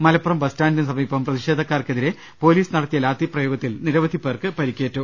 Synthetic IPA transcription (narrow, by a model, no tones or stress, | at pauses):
mɐlɐpːɐrɐmbɐstaːndɐnɨsɐmiːpɐmprɐðiʂe̞ːd̪ʱɐkːaːrkeðiɾe̞ | po̞ːliːsɨnɐɽɐt̪ːijɐlaːt̪ːiprɐjo̞ːɡɐt̪ːilniɾɐʋɐd̪ʱipːeːrkɨpɐɾikʲːe̞ːʈːu